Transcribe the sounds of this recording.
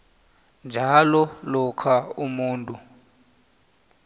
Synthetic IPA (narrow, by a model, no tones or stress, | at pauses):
nd͡ʒʱalɔlɔkʰaumuːntʼu